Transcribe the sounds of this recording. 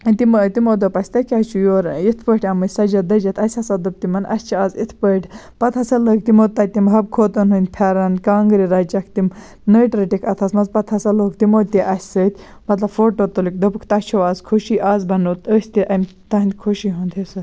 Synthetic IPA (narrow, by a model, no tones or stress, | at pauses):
ɐnʲt̪imət̪imoːd̪opɐsʲt̪ɐkʲɐt͡ʃʰujoːɾit̪ʰpəːʈʰʲɐmɨsɐd͡ʒɐd̪ɐd͡ʒɐt̪ʰɐsʲɐsɐd̪ɨb̚t̪imɐnɐ̰sʲt͡ʃʰiaːzit̪ʰpəːʈʰʲ | pɐt̪ʰɐsɐləːk̚t̪imoːt̪ːɐt̪ːimɦɐb̚kʰoːt̪ɐnɦunʲd̪̚ʲpʰɐɾɐnkaːŋɡɾiɾɐt͡ʃɐkʰt̪im | nəːʈɾɐʈikʰɐt̪ʰɐsmɐzpɐt̪ʰɐsɐloːkt̪imoːt̪iʔɐsʲsəːt̪ʲ | mɐt̪lɐbfoːʈoːt̪olik̚d̪opɨkʰt̪ɐt͡ʃʰoʋaːzkʰoʃiːʔaːzbɐnot̪əːsʲt̪iʔɐm | t̪ɐɦnd̪ʲkʰoʃiɦunt̪ʰesɐ